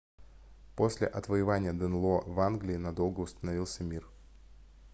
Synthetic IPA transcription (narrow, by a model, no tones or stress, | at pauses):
po̞sʲlʲɪ̰ʔɐt̪vəjɪvanʲɪjəd̪ɨnlˠovanɡlʲɪːnɐd̪o̞lˠɡəʊst̪ənɐvilˠsʲəmʲir